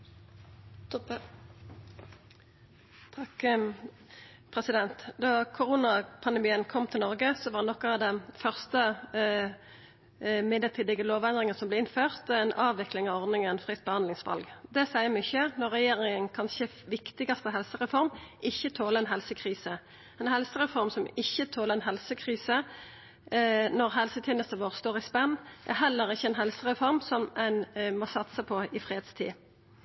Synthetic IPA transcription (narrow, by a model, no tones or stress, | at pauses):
pʰʁɛsɪd̪ɛnt̪d̪ɑːkʰʊʁuːnɑpʰɑnd̪ɛmiːənkʰɔmt̪ʰɪlnɔʁɡəsɔʋɑːdnɔkːɑɑd̪ɛnfœʁst̪ə | mɪd̪əʁt̪ʰiːd̪ɪɡəloːʋɛnd̪ʁɪŋəsɔmblɛɪnføːʁt̪ɛnʔɑːʋɪklɪŋɑʋɔʁd̪nɪŋənfʁɪt̪̚ːbəhɑnd̪lɪŋsʋɑ̰lɡd̪ɛsæɪəmʏçənɔʁːɛjeːʁɪŋənkʰɑnçə | ʋɪkt̪ɪɡɑst̪əɦɛlsəʁɛfɔʁmʔɪçːət̪ʰoːləʁɛnɦɛlsəkʰʁiːsə | ɛnhɛlsəʁɛfɔɾmsɔmɪçːət̪ʰoːləɛnɦɛlsəkʰʁiːsə | nɔʁɦɛlsət̪ʰjeːnəst̪əʋoːʁst̪oːʁɪspɛnːʔæ̰ʁɦɛlːəʁɪçːəɛnɦɛlsəʁɛfɔʁmsɔmɛnmɔsɑt̪səpʰɔɪfʁeːd̪st̪ʰḭː